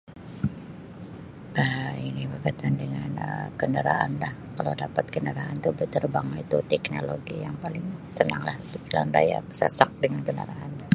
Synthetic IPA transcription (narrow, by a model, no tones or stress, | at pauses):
ainibərkat̪andəŋanəkəndəɾa̰anlahkala̰wdapat̪̚kəndəɾaant̪ubət̪ərbaŋit̪ut̪ɛknoloɡijaŋpalɪŋsəna̰ŋlaht̪ukila̰nda̰ja̰pə̥sa̰sak̚dəŋankəndəɾaʔan